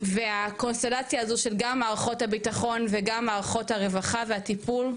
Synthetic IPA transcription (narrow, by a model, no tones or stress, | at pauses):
veako̞nste̞lat͡sjaːzoʃe̞lɡamːaːʁaχo̞thabitaχo̞nveɡamːaːʁaχo̞thaʁe̞vaχave̞atipul